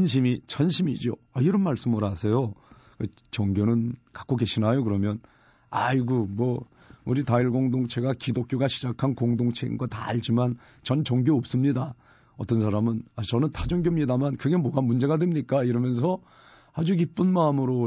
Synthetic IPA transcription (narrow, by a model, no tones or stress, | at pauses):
nɕ̬ʰimit͡ɕʰʌnɕʰimid͡ʑo | aiɾʌnmaɭs͈ɯmɯɾasʰe̞jo | kɯ | t͡ɕʌŋɡjonɯnkḁk͈oɡe̞ɕʰinajokɯɾʌmjʌn | aiɡomwʌ | uɾitaiɭɡoŋdoŋt͡ɕʰe̞ɡakidok͈joɡaɕʰi̥d͡ʑakʰankoŋdoŋt͡ɕʰe̞ḭnɡʌta̰aɭd͡ʑiman | t͡ɕʌnt͡ɕʌŋɡjoːp̚s͈ɯmɲida | ʌt͈ʌnsʰaɾamɯnat͡ɕʌnɯntad͡ʑʌŋɡjomɲidamankɯɡe̞mwʌɡamund͡ʑe̞ɣadwe̞mɲik͈aiɾʌmjʌnsʰʌ | had͡ʑuk̬ip͈ɯnmaɯmɯɾo